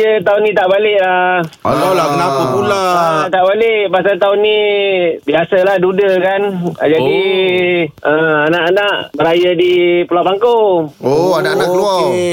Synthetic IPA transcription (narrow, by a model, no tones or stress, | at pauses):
ət̪aʊnːĩt̪aʔbalɪʔlaat̪alabənapupulaat̪aʔbalɪʔbasat̪aʊnːibiasalahdudəkand͡ʒadi | əanaʔanaʔbəɾajadipəlapaŋkooanaʔanaʔklua